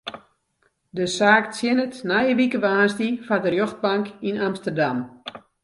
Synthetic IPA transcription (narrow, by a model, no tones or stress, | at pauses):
dəsaːkt͡sjɪnətnajəʋikəbəaːnstifadərjoxt̚baŋkinamstərdam